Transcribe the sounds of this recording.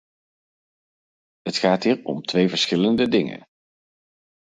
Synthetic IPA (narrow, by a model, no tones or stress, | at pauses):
ɦətχaːtɦiːɹɔ̰mtʋejvəɹsχɪləndədɪŋə̰n